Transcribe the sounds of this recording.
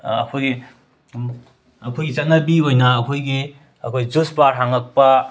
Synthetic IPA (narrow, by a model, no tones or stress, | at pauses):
ɐ̰kʰojɡi | ɐkʰojɡit͡ʃɐt̚nɐbiojnɐːkʰojɡi | ɐkʰojd͡ʒuspaɾɦaŋɐk̚pɐ